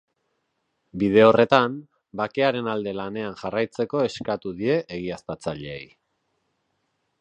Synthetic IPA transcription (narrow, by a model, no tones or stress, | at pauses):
bið̞e̞o̞re̞t̪am | bake̞aɾe̞nald̪e̞lane̞anʝarajt͡se̞ko̞e̞skat̪uðie̞ʔeɣ̞iaspat͡saʎeḛj